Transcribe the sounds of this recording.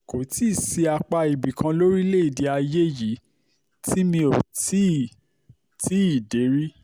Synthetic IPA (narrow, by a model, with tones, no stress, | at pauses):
ko˨˦ti˦˨si˧a˧k͡pa˧i˨bi˨kã˧lo˦ɾi˦le˦i˦˨di˧a˧je˦˨ji˨˦ | ti˦mĩ˧o˨ti˦˨ | ti˦i˦˨de˨˦ɾi˦